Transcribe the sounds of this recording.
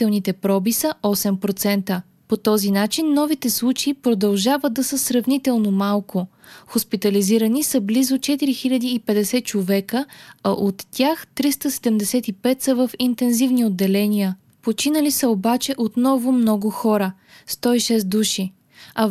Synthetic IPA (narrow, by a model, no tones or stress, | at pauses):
ɛlˠnit̪ɛpɾɔbisəɔsɛmpɾot̪sɛnt̪ə | pot̪ɔzinat͡ʃinːɔvit̪ɛslˠut͡ʃeipɾod̪ɐlˠʒavət̪̚d̪ɐsəsɾɐvnit̪ɛlˠnomalˠko | xospit̪əliziɾənisəblizot͡ʃɛt̪iɾixiʎʲəd̪iːpɛd̪ɛsɛt͡ʃovɛkəɐʔot̪ːʲjaxt̪ɾist̪əsɛd̪ɛmd̪ɛsɛt̪ipɛt̪səvəfint̪ɛnzivniod̪ːɛlɛnijə | pot͡ʃinəlisəobat͡ʃɛʔot̪nɔvʊmnɔɡʊxɔɾə | st̪ɔiʃɛs̬d̪uʃi | ɐ